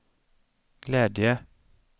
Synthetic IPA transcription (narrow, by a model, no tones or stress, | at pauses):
ɡ̥leːd̪ɪə